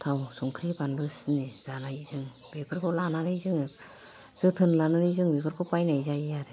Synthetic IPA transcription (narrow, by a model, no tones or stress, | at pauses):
t̪ʰawsɔŋkʰɾipanlɯsnez̥anajzɯŋ | bepʰɯɾkʰɔlanaɾɯjzɯŋ | z̥ɯt̪ʰɯnlanaɾɯjzɯŋbepʰɯɾkʰɔpajnajzajaɾɯ